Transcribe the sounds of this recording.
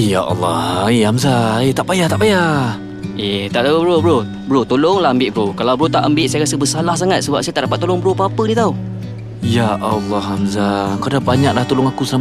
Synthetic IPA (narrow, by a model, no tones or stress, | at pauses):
jaʔɑ̰lːɑhiamzaet̪aʔbajaht̪aʔbaja | eht̪aʔt̪aubɾobəɾo | bəɾot̪olʊŋlahəmbɪʔ̪̚bəɾokalawbɾot̪aʔəmbɪʔ̚sajaɾasəbəsalahs̬aŋat̪̚səbap̚sajat̪aʔdapat̪ːolʊŋbəɾopəapədit̪au | jaʔɑlːɑhamzakadabaɲak̚laht̪olʊŋakusam